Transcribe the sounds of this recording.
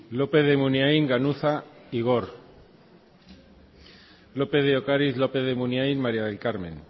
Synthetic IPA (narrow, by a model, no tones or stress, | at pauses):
lopeðemunjajŋɡanuθaiɣo̞ɾ | lopeðeokaɾiθlopeðemunjajnmaɾjað̞e̞lkaɾmḛ̃n